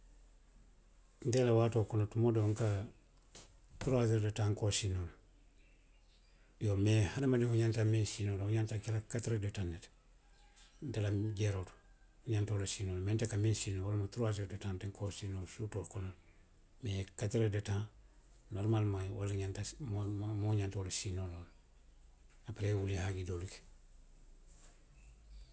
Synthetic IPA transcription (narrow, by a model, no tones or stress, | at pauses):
ndelawaːtokonotumodoŋka | tuɾaseɾdetãːŋkoːsinol | jomehanamadihuɲantaminsinoːluɲantakelakatɾedetanːet | delaɟeɾotu̥ | ɲantolasinolmentakaminsinowalmutuɾas̬edetãːnteŋkʰosinosuːtoːlkonal | mekatɾedetã | noɾmalmajwa̰laɲantammoɲantolasinolol | apaɾewulihaɡidoluke̥